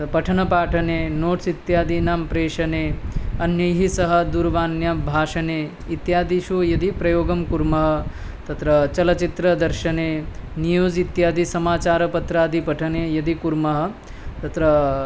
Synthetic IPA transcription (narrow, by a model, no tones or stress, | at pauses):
pɐʈʰɐnɐpaːʈʰɐneːnoːʈsit̪jaːd̪inaːmpɾeːʃɐneːɐnjɐjɦisɐɦɐ̆d̪uɾʋaːnjɐbʱaːʃɐneː | it̪jaːd̪iʃujɐd̪ipɾɐjoːɡɐmkuɾmɐɦɐ̆ | t̪ɐt̪ɾɐt͡ʃɐlɐt͡ʃit̪ɾɐd̪ɐɾʃɐneːnijoːd͡ʒit̪jaːd̪isɐmaːt͡ʃaːɾɐpɐt̪ɾaːd̪ipɐʈʰɐneːjɐd̪ikuɾmɐɦɐ̆ | t̪ɐt̪ɾɐ